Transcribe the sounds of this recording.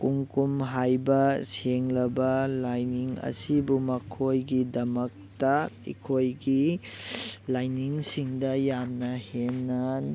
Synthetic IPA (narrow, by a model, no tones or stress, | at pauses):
kuŋkumɦajbɐseŋlɐbɐlajniŋɐ̰sibumɐkʰojɡidɐmɐk̚tɐḭkʰojɡi | lajniŋsiŋdɐjamnɐhenːan